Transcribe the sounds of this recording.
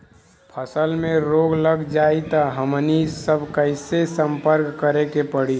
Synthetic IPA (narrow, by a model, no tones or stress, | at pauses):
pʰəsəlmẽɾoːɡləɡd͡ʒaːit̪aɦəmnisəbʱkəɪsesə̃mpəɾkːəɾekepəɽi